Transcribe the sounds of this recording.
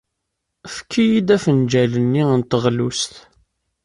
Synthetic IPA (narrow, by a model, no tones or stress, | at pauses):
fəkʰːijid̪æfənd͡ʒælənːiənt̪əʁlust̪